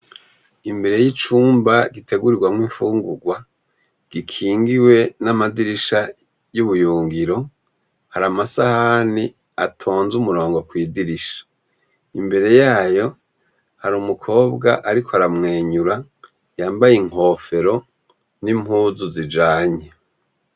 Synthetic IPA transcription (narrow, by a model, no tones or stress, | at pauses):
imbe̞ɾe̞jit͡ʃuːmbaɡitʰe̞ɡuɾiɡwamwiɱfuːŋɡuɡwa | ɡ̥ikʰiːŋɡiwe̞namadiɾiʃa | juβujuːŋɡiɾo̞ | haɾamasahani | atʰo̞ːnzumuɾo̞ːŋɡo̞kwiːdiɾiʃḁ | imbe̞ɾe̞jaːjo̞ | haɾuːmukʰo̞ːbɡa̰ʔaɾikʰoaɾamŋeːɲuɾa | jaːmbajiŋ̥ho̞ːfe̞ɾo̞ | nim̥huːzuzid͡ʒaːɲe